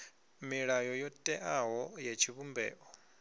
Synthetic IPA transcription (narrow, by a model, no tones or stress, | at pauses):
miɺajɔjɔtʼɛʔaɦɔjat͡ʃʰiβumbɛ̰ːʔɔ